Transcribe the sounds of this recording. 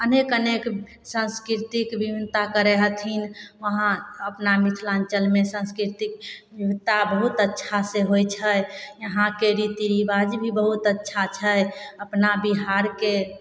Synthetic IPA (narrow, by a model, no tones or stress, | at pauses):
ənekənek | sə̃nskɾit̪ikbibʱint̪akəɾeɦət̪ʰinʋəɦãəpnamit̪ʰlãnt͡ʃəlmesə̃nskɾit̪ikbibt̪abəɦut̪ətːʃʰaseɦojt͡ʃʰəjjəɦãkeɾit̪iɾibad͡ʒbʱibəɦut̪ətːʃʰat͡ʃʰəjəpnabiɦaɾke